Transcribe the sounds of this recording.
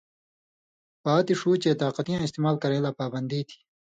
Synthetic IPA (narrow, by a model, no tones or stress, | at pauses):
paːt̪iʂuːt͡ɕet̪aːqɐt̪ijãɪst̪eːmaːlkɐɾẽːlaːpaːbɐnd̪it̪ʰi̥